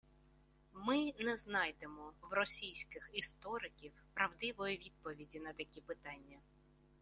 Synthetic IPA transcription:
mɪnɛznɑjt̪emɔwrɔsʲijsʲkɪxist̪ɔɾɪkʲiwpɾɐwd̪ɪʋɔjʊʋʲid̪̚pɔʋʲidʲinɐt̪ɐkʲipɪt̪ɑnʲːɐ

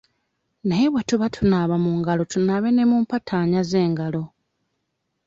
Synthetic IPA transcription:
najeβwatuβatʰunaβamuːŋɡalo̞tunaːβe̞nemuːmpatʰaːɲazeːŋɡalo̞

